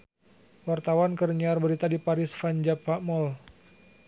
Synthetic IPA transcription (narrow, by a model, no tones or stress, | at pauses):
wart̪awankərɲiarbəɾit̪adipaɾɪsfaɲd͡ʒapːamɔl